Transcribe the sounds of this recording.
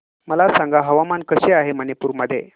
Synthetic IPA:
məlasãŋɡaɦəʋamankəɕeaɦemənepuːɾməd̪ʱːjḛ

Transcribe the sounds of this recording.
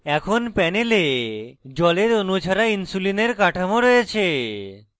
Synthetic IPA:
ɛkʰonpɛneled͡ʑɔleɾonut͡ɕʰaɾainsulineɾkaʈʰamoɾɔjet͡ɕʰe

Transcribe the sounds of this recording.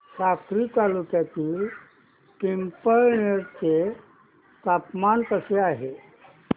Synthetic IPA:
sakɾit̪alukjat̪iːl | kempəɭɳeɾt͡se | t̪apmant̪əseaɦe

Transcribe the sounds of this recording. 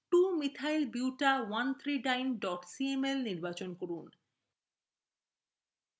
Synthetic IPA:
ʈumit̪ʰajlbiwʈawant̪ʰɾiɖajnɖɔʈsiemelniɾbat͡ɕonkoɾun

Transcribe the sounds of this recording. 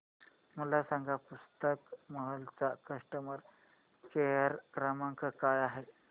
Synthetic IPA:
m̤əlasaŋɡʱapust̪əkməɦəlt͡sakəʂʈəməɾ | keɦəɾkɾamaŋkəkajaɦe

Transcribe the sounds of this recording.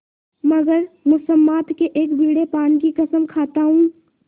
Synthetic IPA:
mɐɡəɾmʊsəmːaːt̪keʔeːkbʱiːɽepaːnkikɐsəmkʰaːt̪aɦũ

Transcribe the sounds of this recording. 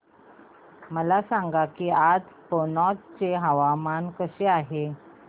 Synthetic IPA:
məlasaŋɡakiːad͡z | ponɔt̪̚t͡seɦaʋamankəɕeaɦe

